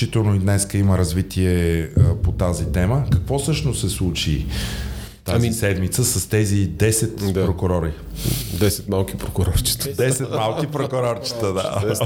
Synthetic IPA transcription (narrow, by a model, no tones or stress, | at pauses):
it̪ɛlˠnoid̪nɛskəiməɾɐzvit̪ʰiɛəpot̪azit̪ɛməkɐkvɔsɤʃnossɛslˠut͡ʃi | t̪aisɛd̪mit̪səsəst̪ɛzid̪ɛsɛt̪pɾokʊɾɔɾi | d̪ɛsɛt̪malˠkipɾokʊɾɔɾt͡ʃi̥t̪əd̪ɛsɛt̪malˠkipɾokʊɾɔɾt͡ʃi̥t̪əd̪a̰